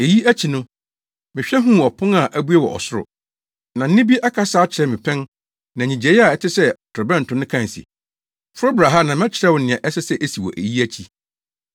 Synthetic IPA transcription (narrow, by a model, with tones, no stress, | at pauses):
e˨ji˦æ˦t͡ɕʰi˨nʊ̃˦ | mɪ̃˨ɕᶣɛ˦ɦũ˦˨ɔ˨pʰʊ̃˦ŋa˨ʔæ˦bu˦ɛ˦wɔ̰˨ʔɔ̰˨sʊ˦ɾʊ̰˨ | nã˨n̩˦nɪ̃˦bi˦ʔa˦kʰa˦saː˦t͡ɕʰɪ˨ɾɛ˨mɪ̃˨pʰɛ̃˦n | nã˨ɲĩ˨d͡ʑɛ˨˦a˨ɛ˨tʰɪ˦sɛ˦˨tʰɛ˨bɛ̃˦n̩˨tʰʊ̃˦nɪ̃˦kʰã˦˨sḭ˨ | fʊ˦ɾʊ˦bɾa˨ɦa˦nã˨mɛ̃˦t͡ɕʰɪ˨ɾɛ˦wʊ˨nɪ̃˨ɛ̃˨ʔɛ˦sɛ˦sɛ˦ʔe˦si˨wɔ̰˨ʔe˨ji˦æ˦t͡ɕʰi˨